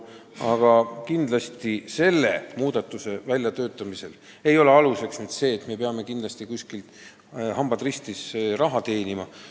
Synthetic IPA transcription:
ɑɡ̥ɑkind̪̥lɑsʲt̪ise̞lːḛmuːd̪̥ɑt̪ːˑuse̞vælʲjɑt̪ø̞ːt̪ːˑɑmise̞l | e̞jo̞le̞ɑluse̞ksmyd̪se̞ːt̪me̞peɑme̞kind̪lɑsʲt̪ikuskilt̪ | hɑmb̥ɑd̪rist̪isrɑɦɑt̪e̞ːnimɑ

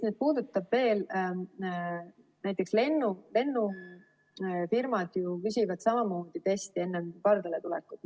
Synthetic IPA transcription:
neːd̪̚puːd̪̥ut̪ːɑbve̞ːl | næjt̪ːˑe̞ksle̞nːule̞nːu | firmɑd̪̥jukys̬ʲivɑd̪̥sɑmɑmo̞ːd̪̥it̪est̪ie̞nːemkɑrd̪ɑlet̪ulɛ̰kːˑud̪

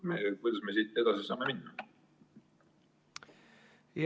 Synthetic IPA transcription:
mekujd̪ɑsmesit̪ːˑed̪ɑsisɑ̰ːmeminːɑ | j

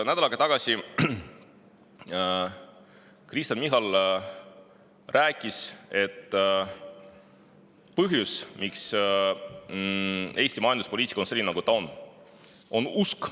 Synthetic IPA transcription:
næd̪ɑlɑɡɑt̪ɑɡ̥ɑsi | kɾist̪ɑnmiɦɑl | rʔæːkʲˑːise̞t̪ː | pɤɦjusmiks | e̞ːsʲt̪imɑjɑnd̪uspo̞liːt̪ʲikonselʲːinɑɡut̪ɑon | o̞nusk

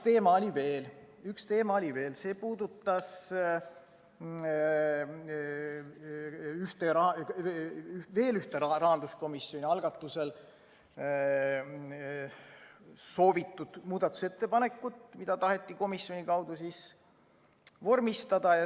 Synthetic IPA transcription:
t̪e̞ːmɑolʲive̞ːl | ykst̪e̞ːmɑolʲive̞ːlse̞ːpuːd̪ut̪ːˑɑs | yht̪eɑɑ | ve̞ːlyht̪eɾɑrɑɦɑnd̪̥usko̞misːjo̞nʲiɑlɡ̥ɑt̪ːˑuse̞l | so̞ːvit̪ːˑud̪̥muːd̪̥ɑt̪ːˑu̥se̞t̪ːe̞pɑne̞kːˑut̪mid̪̥ɑt̪ɑɦe̞t̪ˑːiko̞misjo̞nʲikɑwd̪̥usis | vo̞rmist̪ɑd̪̥ɑjɑ

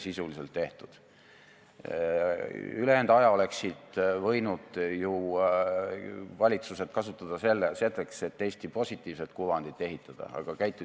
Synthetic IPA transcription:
sisulise̞lt̪ːe̞ht̪ud̪̥ | yleend̪ɑjɑo̞le̞ksid̪vɤ̞jnud̪̥ju | vɑlʲit̪suse̞t̪̚kɑsut̪ːˑɑd̪̥ɑse̞lːese̞lːekse̞t̪ːe̞jst̪ipo̞sʲit̪ːˑiːvset̪̚kuvɑnd̪̥it̪ːˑe̞ɦit̪ːˑɑd̪̥ɑ̰ɑ̰ɡ̥ɑkæjt̪ːˑu

